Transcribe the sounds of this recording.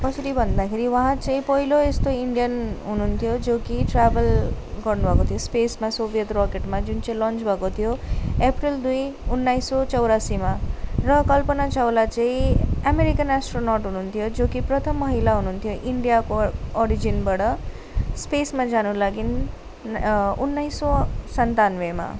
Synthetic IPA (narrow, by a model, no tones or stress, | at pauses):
kʌsʌɾibʱʌnd̪akʰeɾiwãɦãt͡sʌĩpʌɦiloest̪oiɳɖijʌnɦununt̪ʰjod͡zokiʈrabʌlɡʌrnubʱʌkot̪ʰijospesmasobʱijʌt̪rɔkeʈmad͡zunt͡sʌĩlʌnt͡sbʱʌkot̪ʰijoeprild̪ujunːajsot͡sʌwɾasimaɾʌkʌlpənat͡ʃawlat͡ʃaĩameɾikənasʈɾonɔɾʈɦununt̪ʰijod͡ʒokipɾʌt̪ʰʌmːʌɦilaɦununt̪ʰijoʔiɳɖijakoɔɾid͡ʒinbʌɽʌ | spesmad͡zanulaɡin | unːaisːɔsʌnt̪anʋema̰